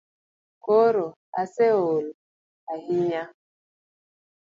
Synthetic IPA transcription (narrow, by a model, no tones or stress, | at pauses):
koɾo | aseol | ahiɲa